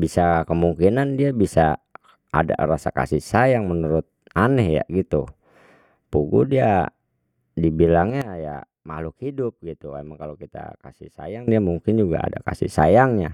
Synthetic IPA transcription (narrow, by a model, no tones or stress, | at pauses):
bisakəmuŋkinandiabisa | a̰da̰rasa̰ka̰sisajaŋmənuɾʊt̪̚ | anɛhja̰ɡit̪u | puɡudia | dibilaŋɲaja̰ | malukhidʊp̚ɡit̪uamaŋkalokit̪a̰kasḭhsa̰jaŋdiamuŋkɪnd͡ʒuɡa̰a̰da̰kasḭsajaŋɲa